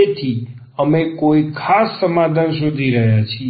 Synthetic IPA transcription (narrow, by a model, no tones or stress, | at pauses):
et̪ʰi | əmekoikʰasːəmad̪ʱansud̪ʱiɾəɦjat͡ʃʰi